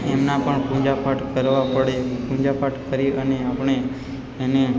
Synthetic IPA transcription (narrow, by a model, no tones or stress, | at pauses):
emnapəɳpũd͡ʒapaʈkəɾʋapəɽepũd͡ʒapaʈkəɾiʔəneapəɳ̃e | ene